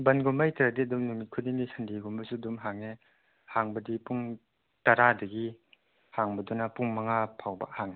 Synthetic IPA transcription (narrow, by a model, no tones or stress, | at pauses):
bɐnɡumbajtɐɾadiɐdumnumit̚kʰudinisʰɐndiɡumbɐsuɐdumɦaŋe | haŋbɐdipuŋ | tɐɾadɐɡi | haŋbɐdunɐpuŋmɐŋapʰawbɐ̰haŋe